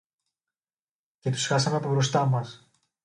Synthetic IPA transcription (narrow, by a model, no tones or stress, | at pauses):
ce̞t̪u̥sxɐsɐmeɐpobɾo̞st̪ɐmɐs